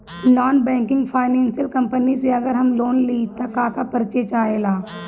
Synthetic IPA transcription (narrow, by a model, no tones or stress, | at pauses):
naːnbɛ̃ːŋkɪ̃ŋɡpʰaːɪnɛ̃ːnsijəlkɐ̃mpəniseɐɡəɾɦɐmloːnliːt̪ɐkaːkapɐɾt͡ʃet͡ʃaːeːlaː